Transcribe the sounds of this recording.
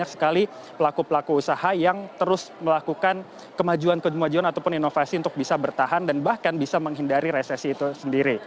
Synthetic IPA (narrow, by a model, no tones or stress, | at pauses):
ak̚sə̥kali | pəlakupəlakuːsahajaŋt̪əɾʊsməlakukan | kəmad͡ʒuankəd͡ʒumad͡ʒuanat̪awpʊninofasiunt̪ʊk̚bisabərt̪aɦandanbahkanbisaməŋɦindaɾiɾesɛsiːt̪usəndiɾi